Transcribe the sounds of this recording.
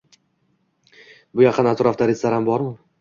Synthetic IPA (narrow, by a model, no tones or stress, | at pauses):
bʊjɑqʰɨnat̪ʰɾɒft̪aɾɪslaɾhambɒɾmʊ